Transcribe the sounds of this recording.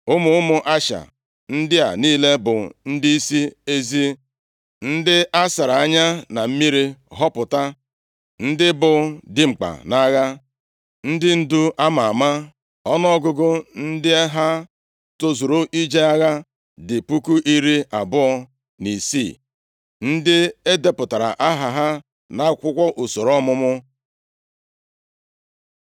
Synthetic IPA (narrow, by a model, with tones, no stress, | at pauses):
ʊ˦mʊ˨ʊ˦mʊ˨ʔa˦ʃa̰˨ | n̩˦dɪ˦a̰˨niː˦le˦bʊ̰˨n̩˦di˦i˦si˦e˦zi˦ | n̩˦dɪ˦ʔa˦sa˨ɾa˨a˦ɲa˦na˨m̩˦mi˦ɾi˦ɦɔ˦pʊ˨ta˦ | n̩˦dɪ˦bʊ˨dɪ˦ŋ͡m̩˨k͡pa̰˨na˦ɣa˦ | n̩˦dɪ˦n̩˦du˦ʔa˦ma˨a˨ma˦ | ɔ˦nɔ˦ɔ˦ɡʊ˦ɡʊ˦n̩˦dɪ˦ɦa˦ | to˦zo˨ɾo˦ʔi˦d͡ʒe˦a˦ɣa˦ | dɪ˨pu˦ku˦ʔi˦ɾi˦a˨bʊ˦ɔ˦ | ni˨sḭ˦˨ | n̩˦dɪ˦e˦de˦pʊ˨ta˨ɾa̰˨ʔa˦ɦa˨ɦa˦ | na˦kʷʊ˦kʷɔ˦ʔu˨so˨ɾɔ˦mʊ˦mʊ˦